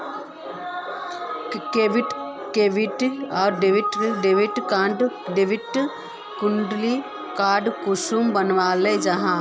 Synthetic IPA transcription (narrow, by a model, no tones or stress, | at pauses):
keːʋiʈ | keːʋiʈɔːɾɖeʋiʈɖeːʋiʈkaɳɖ | ɖeʋiʈ | kʊɳɖli | kaːɖkusumbɐnʋaːled͡ʒɐɦãː